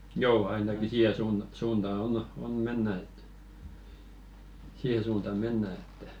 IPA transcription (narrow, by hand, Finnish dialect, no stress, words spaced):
joː ɑinɑki siːhe suːn suːntɑː on on menːæ et siːhe suːntɑ menːæ etːæ